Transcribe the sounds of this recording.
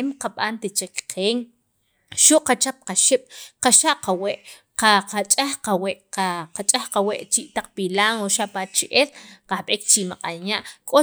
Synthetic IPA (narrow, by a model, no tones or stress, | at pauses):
mqaɓant̪et͡ʃekqʰeːŋ | ʃuʔqat͡ʃap̚qaʃiɓ̥qaʃaʔqaweʔ | qaqat͡ʃʼaxqaweʔaqat͡ʃʼaxqaweʔt͡ʃiʔt̪aq͡χpilaːŋoʃaʔpat͡ʃʔelqahɓeːkt͡ʃimaqʼanaʔkʼo